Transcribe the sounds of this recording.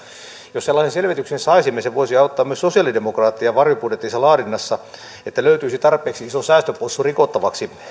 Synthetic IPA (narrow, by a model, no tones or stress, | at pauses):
josselːɑːsenselʋet̪yksensɑisimːeseʋoisiɑut̪ːɑːmyøsosiɑlidemokrɑːt̪ːijɑʋɑrjoputjet̪ːisːɑlɑːdinːɑsːɑ | et̪ːæløyt̪yːisit̪ɑrpˑeːksiisosæːst̪øposːurikot̪ːɑʋɑksi